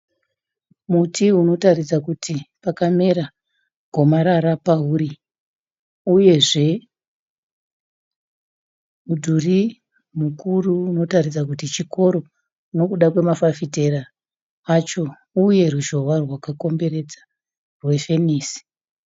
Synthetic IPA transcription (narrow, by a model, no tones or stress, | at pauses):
mutʰiuno̞tarid͡zakutʰipakame̞ɾa | ɡʱo̞maɾaɾapauɾi | uje̞ʐe̞ | udʱuri | mukuruːno̞tarid͡zak̬utit͡ʃikʰo̞ɾo̞ | no̞kuɗakwe̞mafafite̞ra | at͡ʃo̞ | uje̞ruʒo̞warwakako̞mbe̞ɾe̞d͡zḁ | rwe̞fe̞niːsi̥